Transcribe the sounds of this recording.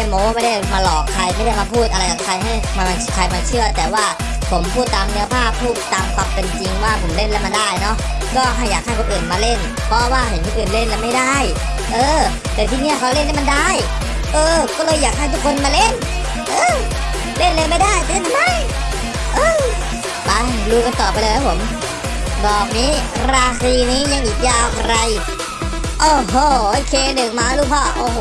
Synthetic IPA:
mɔo˧waː˧˩ma˥˩da˥˩jmaː˧lɔː˨˩kʰːa˧jma˥˩jda˥˩jmaː˧pʰuː˥˩t̪̚ʔa˧a˧jka˨˩kʰa˧jɦa˥˩jma˧a˧kʰa˧jmaː˧t͡ɕʰɯ˥˩ɐt̪ɛː˨˩waː˥˩ | pʰo˩˦mpʰuː˥˩t̪ːaː˧mnɯ˦˥ɐpʰaː˥˩p̚ʰːuː˥˩k̚t̪a˨˧˩mpa˨˧˥pːe˧nt͡ɕi˧ŋwaː˥˩pʰo˩˦mle˥˩nlɛ˦˥˩ma˧nda˥˩jnɔ˦˥ʔ | kɔː˥˩ɦa˧˥˩jːaː˨˩k̪̚ʰa˥˩kʰʔɯː˨˩nmaː˧le˥˩n | pʰɔ˦˥waː˥˩hʰe˨˩˦nt̪ʰiː˧˥˩ʔɯː˨˩nle˥˩nlɛː˦˧˥ma˥˩jda˥˩j | ʔɤː˧ | t̪ɛː˨˩t̪ʰiː˧˩ni˦˥ɐ˨kʰa˧le˥˩˨nːha˥˩ma˧nda˥˩j | ʔɤː˧kɔː˥˩lɤː˧jːaː˨˩k̚t̪ʰa˥˩t̪ʰu˦˥kʰo˧nmaː˧le˥˩n | ʔɤː˧ | le˥˩˨nleː˧ma˥˩jdaː˥˩jtɯ˥˨na˥˩ma˥˩j | ʔɤː˧ | ba˧˩luː˧ka˧nt̪ɔː˨˩p̚ːjlɤː˧t̪ʰa˦˥pʰo˩˦m | dɔː˨˩k̚niː˦˥ɾaː˧xiː˧niː˦˥ja˧ŋʔiː˨˩k̚jaː˧˩wkʰɾa˧j | ʔoː˧˩ɦoː˧˩ʔo˧kʰeː˧˩dɯː˨˩maː˧˥luː˦˧˩pʰɔː˧˩ʔoː˧˩h

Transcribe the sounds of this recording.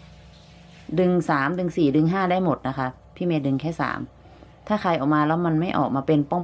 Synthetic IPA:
dɯ˧ŋsaː˩˦mdɯ˧ŋsiː˨˩dɯ˧ŋɦaː˥˩da˥˩jmo˨˩t̪̚na˦˥kʰa˦˥ | pʰiː˥˩meː˦˧˥dɯ˧ŋkʰɛː˥˩sa̰ː˩˦m | t̪ʰaː˥˩kʰa˧jʔɔː˨˩k̚maː˧lɛː˦˥wma˧nma˥˩jʔɔ̰ː˨˩k̚maː˧pe˧npɔ˥˩ŋ

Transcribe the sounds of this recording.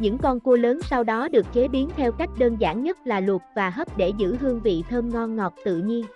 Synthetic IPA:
ɲɨ̰˧˥ŋkɔ˧nku˧ləː˨˦nsa˧wɗɔ˨˦ɗɨ˨˩ək̚ke˨˦ɓi˨˦ənt̪ʰɛ˧wka˦˥jk̟̚ɗəː˧nza̰ː˧˩nɲə˦˥t̚laː˨˩lwə˨˩t̚vaː˨˩ɦəː˦˥p̚ɗe˧˩zɨ̰˧˥hɨ˧əŋvḭ˧˨t̪ʰəː˧nŋɔ˧nŋɔ˨˩t̚t̪ɨ̰˧˨ɲi˧ən

